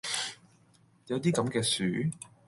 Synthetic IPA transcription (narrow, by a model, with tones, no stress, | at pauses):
jɐ˨˧wt̪̬iː˥kɐ˨˧˥mkɛː˧syː˨˥